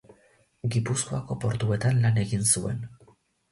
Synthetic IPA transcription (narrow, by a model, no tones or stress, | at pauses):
ɡipusko̞ako̞po̞ɾt̪ue̞t̪anlane̞ɣinsue̞̰n